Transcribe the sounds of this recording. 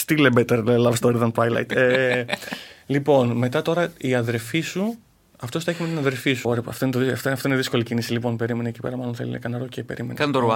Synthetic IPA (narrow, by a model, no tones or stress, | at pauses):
st̪ilebet̪eɾlɐvst̪oɾiðɐnpajlɐ̰jt̪e | lipo̞nme̞t̪ɐt̪o̞ɾɐiɐðe̞ɾfisu | ɐft̪ost̪ɐeçimet̪inɐðe̞ɾfisuɾepɐ̰ft̪o̞inet̪oðiɐft̪ɐft̪oineðisko̞licinisilipo̞npe̞ɾimeneci̥peɾɐmɐlo̞nθelḭnɐ̰kɐnɐɾocepe̞̰ɾḭmen̰ɐnt̪oɾuɐ